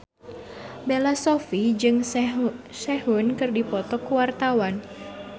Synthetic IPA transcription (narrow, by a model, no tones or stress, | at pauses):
belasofid͡ʒɨŋ | sɛɦunkɨrdipɔt̪ɔkuwart̪awan